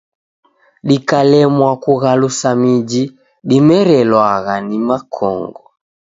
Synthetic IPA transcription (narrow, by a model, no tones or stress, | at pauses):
ɗikalɛmwakuɣalusamid͡ʒi | ɗimɛɾɛlwaɣanimakʰɔ̰ŋɡɔ